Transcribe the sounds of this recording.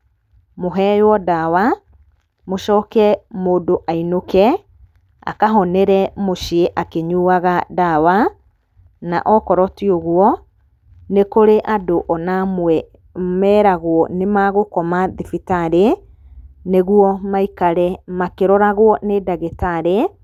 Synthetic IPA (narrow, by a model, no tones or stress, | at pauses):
moɦɛjwɔdawa | moʃɔːkɛmoːdoʔainokɛ | a̰kaɦɔnɛɾɛmoʃieʔakeɲuːaɣadawa | na̰ʔɔkɔɾɔtioɣwɔ | nekoɾeʔadoʔɔnamwɛ | mɛɾaɣwɔnemaɣokɔmaðifitaɾe | neɣwɔmaikaɾɛmakeɾɔɾaɣwɔnedaɣetaɾe